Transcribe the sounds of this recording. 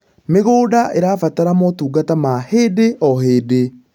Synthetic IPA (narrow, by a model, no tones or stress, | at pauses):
meɣoːdaʔeɾaːfataɾamɔtuːɡatamaheːdeʔɔheːde